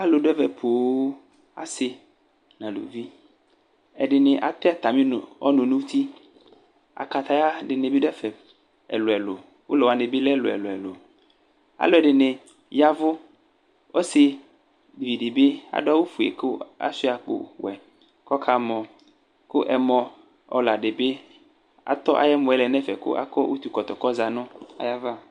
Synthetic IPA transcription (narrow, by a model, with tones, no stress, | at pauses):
a˦lo˨ɖɛ˦vɛ˨pʰo˨˦ | a̰˨sɪ˦ | nã˨lo̰˨vi˦ | ɛ˨ɖɪ˨nɪ̃˨ʔa̰˨t̪e˦a˦t̪a˨mĩ˦˨ɔ˦nʊ̃˨nũ˦t̪ʰi˦ | a̰˨ka˨t̪a˨ja˦ɖɪ˨nẽ˨bi˦ɖɛ˦fɛ˨ | ɛ̰˨lo˨ɛ˨lo˨ | wo˦lɔ˨wa˨nẽ˨bi˦lɛ˦˨lo̰˨ɛ̰˨lo˨ɛ˨lo˨ | a̰˨˦lo˨ɛ˨ɖɪ˨nɪ̃˨ | ja˦vʊ˦ | wʔo˦si˨ | di˨vi˨ɖi˨be˦a̰˨ɖo˦a˦wo˦fu˨ḛ˨ko˦a̰˦si˦a˨k͡po̰˨wɛ˨ | kɔ˦kʰa˦mɔ̃˨ | kʊ˦ʔɛ˨mɔ̃˨ | ɔ̰˨la˨ɖe˨be˦ | a̰˨t̪ɔ˦ʔa̰˨jɛ˦mʊ̃˨˦ɛ˦lɛ˨nɛ˦fɛ˨kʊ̰˦ʔa̰˦kɔ˦wʔu˦t̪u˨kɔ˨t̪ɔ˨kɔ˦za˨nʊ̃˦a̰˨ja˦va˦˨